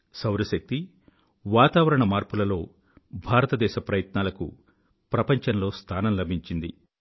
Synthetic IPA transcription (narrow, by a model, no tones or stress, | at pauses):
sɐwɾɐʃɐk̚t̪i | ʋaːt̪aːʋɐɾɐɳɐmaːɾpulɐlo̞ː | bʱaːɾɐt̪ɐd̪ɛːʃɐpɾɐjɐt̪naːlɐkṵ | pɾɐpɐɲt͡ʃɐnlo̞ːst̪ʰaːnɐmlɐbʱiɲt͡ʃind̪ḭ